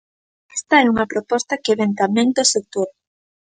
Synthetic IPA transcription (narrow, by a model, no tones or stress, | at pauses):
ɛ̥st̪ɐɛuŋɐpɾopɔst̪ɐkɪβɛŋt̪amɛ̃ŋd̪osek̚t̪oɾ